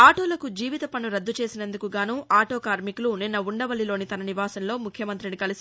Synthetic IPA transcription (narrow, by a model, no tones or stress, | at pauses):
aːʈo̞ːlɐkud͡ʒiːʋit̪ɐpɐnuɾɐd̪ːut͡ʃe̞ːsinɐnd̪ukuɡaːnuːʔaːʈo̞ːkaːɾmikluninːɐuɳɖɐʋɐlilo̞ːnit̪ɐnɐniʋaːsɐnlo̞ːmukʰjɐmɐnt̪ɾinikɐlisi